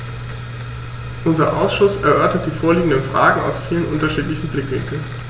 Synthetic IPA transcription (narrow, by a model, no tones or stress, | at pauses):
ʔʊnzɐʔaʊsʃʊsɛɐʔœɐtɐt̚d̥iːfoːɐliːɡŋ̩dənfʁ̥a̰ːɡŋ̩a̰ʊsfiːlənʔʊntɐʃiːtlɪçn̩blɪkv̥ɪ̰ŋkl̩n